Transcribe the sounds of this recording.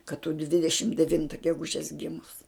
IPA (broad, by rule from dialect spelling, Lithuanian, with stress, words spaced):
kɐt tʊ ˈdʲʋʲɪdʲɛʃʲɪm dʲɛˈʋʲɪntɐ ɡʲɛˈɡʊʒʲɛs ˈɡʲɪmʊs